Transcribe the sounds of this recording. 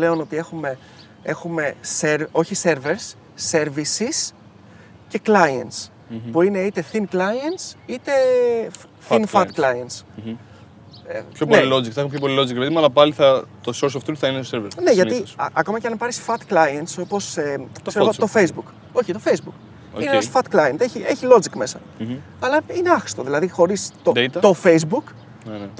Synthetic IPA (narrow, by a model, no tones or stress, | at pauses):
le̞ono̞t̪ie̞xume̞ | e̞xume̞seɾo̞çise̞ɾveɾsː | e̞ɾvisis | ce̞klɐens | puine̞it̪e̞θinklɐjensit̪e̞ | θinfɐt̪klɐiens | pçopnelilozikθɐeumepʰʲçopolilo̞zikɾpeðimɐlɐpɐliθɐt̪osoɾsoft̪ut̪θɐineseɾveɾne̞ʝɐt̪iɐko̞mɐceɐnpɐɾisfɐt̪klɐjenso̞po̞sekseɣot̪o̞fejzbuk | o̞çit̪ofejzbuk | ineɐsfɐt̪klɐjent̪eçie̞çilo̞d͡zikme̞sɐ | ɐlɐineɐxi̥st̪o̞ðilɐðixo̞ɾist̪od̪et̪ɐt̪o̞fejzbuk | t̪